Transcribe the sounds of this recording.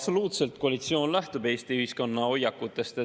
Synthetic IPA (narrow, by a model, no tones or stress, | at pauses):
so̞luːt̪se̞lt̪̚ko̞ɑlit̪sio̞ːnlæht̪ub̥e̞ːst̪iyhisko̞nːɑo̞jːɑkːˑut̪ːˑe̞st̪e